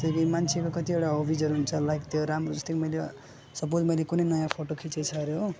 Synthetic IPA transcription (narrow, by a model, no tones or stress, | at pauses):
t̪ʌbimant͡sʰekokʌt̪ibeʈaɦobʱid͡zʌɾuɦunt͡sʰʌlaɡt̪ʰjoɾamrod͡zʌst̪ekmʌjle | sʌp̬od͡zmʌjlekunʌjnʌjãpʰoʈokʰit͡set͡sʰʌɾjo